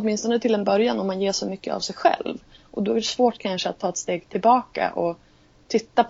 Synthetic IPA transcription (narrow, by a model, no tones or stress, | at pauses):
t̪mɪnst̪ɔnət̪ʰɪld̪ɛnbœɾjanɔmːanjeːʂɔmʏkːə̰a̰vsɛjɧɛ̰lvʔɔd̪ɔæɖɛsvoːʈkʰanʂəat̪ʰːɑːɛt̪st̪eːɡt̪ʰɪlbɑːka̰ʔɔ | t̪ʰɪt̪ːap